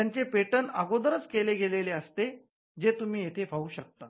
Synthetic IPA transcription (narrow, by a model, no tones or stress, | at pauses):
ant͡sepeʈənaɡod̪əɾət͡skeleɡeleleəst̪e | d͡zet̪um̤iːjet̪ʰefauːɕək̚t̪a